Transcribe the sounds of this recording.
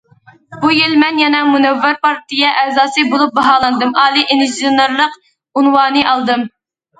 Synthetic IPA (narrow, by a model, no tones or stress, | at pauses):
bujilmɛnjɛnɛmunɛvːɪɾpɑɾt̪ijɛʔɛːzɑːsɨbolˠup̚bɑɦɑːlˠɨnd̪ɨmʔɑːlˠiʔinizonɨɾlˠəq | unwɑːnɨʔɑlˠd̪ɨm